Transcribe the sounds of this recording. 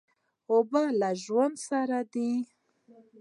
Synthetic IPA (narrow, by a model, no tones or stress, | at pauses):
obalaʒwand̪saɾad̪i